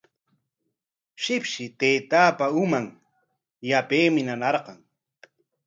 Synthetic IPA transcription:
ʃɪpʃɪt̪eːt̪aːpaʊmaŋ | japeːmɪnanɑɾqɑŋ

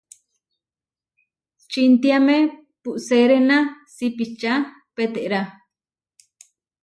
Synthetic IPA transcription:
t͡ʃint̪iamẽ | puʔseɾenãsipit͡ʃa | pet̪eʔɾa

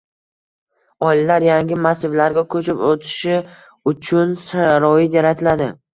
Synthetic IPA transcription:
ɒɪllaɾjaŋɡʲɪmasɪvlaɾɡʲakʰɵt͡ʃʰɪpot̪ʰɪ̥ʃɪ | ʊt͡ʃʰʊnsaɾɒjɪaɾat̪ʰɪlad̪ɪ

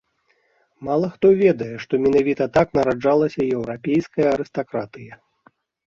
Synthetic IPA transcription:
malˠɐxt̪ɔvʲɛd̪ɐjɛʂt̪ɔmʲɛnavʲit̪ɐt̪aknɐɾad͡ʐalˠɐsʲɐjɛwɾapʲejskɐjɐɐɾɨst̪akɾat̪ɨjɐ

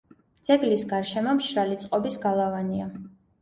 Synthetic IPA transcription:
d̪z̥ɛɡlisɡaɾʃɛmɔmʃɾalit̪sʼqʼɔbisɡalˠavania

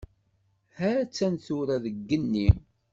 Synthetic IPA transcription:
hæt͡sːænθʊɾæðəɡːənːim

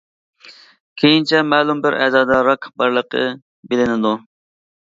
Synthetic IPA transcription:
kʲʰejint͡ʃʰɛmɛːlˠumbɪɾʔɛ̰ːzɑːd̪ɑɾɑqbɑɾlˠəqʰə̰ | bɪlɪnɪd̪u

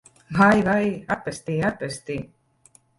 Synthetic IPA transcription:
vajvajapɛst̪iːapɛst̪iː

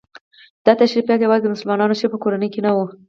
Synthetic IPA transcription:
d̪̥ɑt̪aʃɾipjɑt̪hewɑd̪əmʊsʊlmɑnɑnoʃepəkoɾanəjkenawu

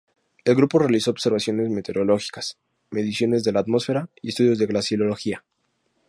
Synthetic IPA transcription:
e̞lɣɾupo̞re̞aliso̞oβ̥se̞ɾβasjo̞ne̞zmet̪e̞ɾo̞lo̞xi̥kḁs | me̞ðisjo̞ne̞zðe̞laːt̪mo̞sfe̞ɾaiest̪uðjo̞zðeɣlasjelo̞lo̞xia

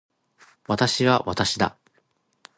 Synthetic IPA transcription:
βat̪aɕiβaβat̪aɕid̪a̰

